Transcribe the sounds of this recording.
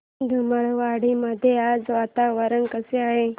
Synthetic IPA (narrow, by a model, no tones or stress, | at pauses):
d̪ʱuməɭʋaɽiməd̪ʱjead͡zʋat̪aʋəɾənkəseaɦe